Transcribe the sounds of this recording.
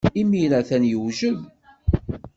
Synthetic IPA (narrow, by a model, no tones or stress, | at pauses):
imiɾæθænjəwʒəð